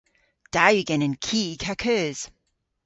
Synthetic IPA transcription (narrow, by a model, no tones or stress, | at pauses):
d̥ajʉɡɛ̃nə̃nkʰiːkʰakʰɜːz̥